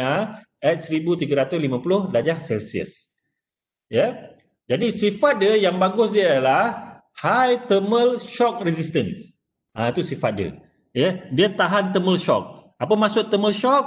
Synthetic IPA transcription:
a | ɛt̪̚səɾibut̪iɡaɾat̪ʊslimãpulʊhlad͡ʒahsɛlsiə̰s | jə | d͡ʒadisifat̪̚diəjaŋbaɡʊsdiaalah | hajt̪əməlʃɔk̚rɛsist̪əns | ʔait̪usifat̪̚diə̰ | jədiat̪aɦant̪əməlʃɔk̚ | apəmasʊt̪ːəməlʃɔk̚

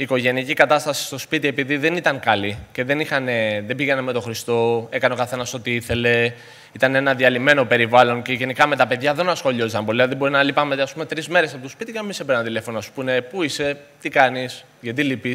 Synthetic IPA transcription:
iːko̞ʝe̞niɐcikɐt̪ɐst̪ɐsi̥st̪o̞spit̪ie̞piðiðe̞nit̪ɐŋkɐlice̞ðe̞nixɐne̞ðe̞biʝeneme̞t̪oxɾist̪o̞ekɐneokɐθe̞nɐso̞t̪iiθe̞le̞ | it̪ɐne̞nɐðiɐlime̞no̞pe̞ɾivɐlo̞nce̞ʝe̞nikɐme̞t̪ɐpe̞ðʝɐðe̞nɐsxo̞ʎoisɐmpo̞liɐðebo̞ɾinɐlipɐmet̪ɐspume̞t̪ɾizme̞ɾesɐpoospit̪iceemisepeɾnɐnt̪ile̞fo̞noɐsu̥pune̞puise̞t̪ikɐnis | ʝɐt̪̬ilipi

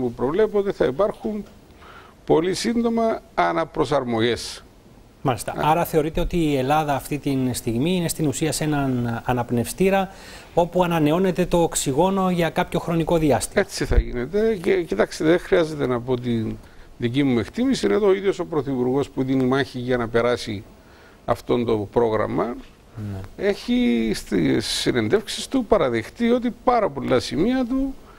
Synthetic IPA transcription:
mupɾo̞vle̞pot̪eθɐipɐɾxun | po̞lisind̪o̞mɐːnɐpɾo̞sɐɾmo̞ʝe̞s | mɐlist̪ɐ̰ɐɾɐθe̞o̞ɾit̪e̞o̞t̪iːe̞lɐðɐːft̪it̪inst̪iɣmiine̞st̪inusiɐse̞nɐnɐnɐpne̞fst̪iɾɐ | o̞puɐnɐne̞o̞ne̞t̪e̞t̪o̞eksiɣo̞no̞ʝɐkɐpço̞xɾo̞niko̞ðiɐst̪imet͡siθɐ̰ʝinet̪e̞cecit̪ɐksiðexɾiɐze̞t̪e̞nɐpot̪iðicimue̞kt̪imisiineðooiðjo̞so̞pɾo̞θipuɾɣo̞spuðinimɐçiʝɐnɐpe̞ɾɐsi | ɐft̪o̞nd̪o̞pɾo̞ɣɾɐ̰mɐ | nee̞çist̪isːine̞nd̪e̞fksist̪upɐɾɐðext̪io̞t̪ipɐɾɐpo̞lːɐsimiɐt̪u

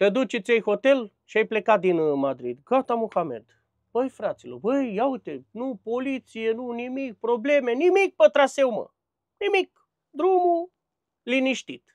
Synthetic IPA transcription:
t̪ed̪ut͡ʃet̪sʲejxo̞t̪e̞l | ʃiajple̞kat̪̚d̪inmad̪ɾḭd̪ɡat̪amoxame̞̰d̪ | bəjfɾat̪silo̰rbəjjaujt̪enupo̞lit̪sijenunimik̚pɾoble̞me̞nimik̚pət̪ɾasewmə̰ | nimik | d̪ɾumu | liniʃt̪it̪

